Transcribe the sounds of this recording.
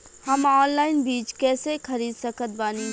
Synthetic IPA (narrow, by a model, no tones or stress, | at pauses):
hɐmɔːnlaːɪnbiːt͡ʃkɛːsekʰɐɾiːd̪səkət̪̚baːni